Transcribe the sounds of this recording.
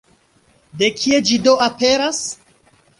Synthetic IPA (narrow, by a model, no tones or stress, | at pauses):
de̞kʰie̞d͡ʒido̞ape̞ɾas